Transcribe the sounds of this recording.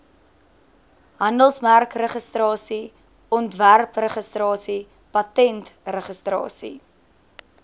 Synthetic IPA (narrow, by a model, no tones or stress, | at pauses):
ɦɐndəlˠsmærkrəχəstrɑːsi | ɔntværprəχəstrɑːsi | pɐtɛntrəχəstrɑ̰ːsḭ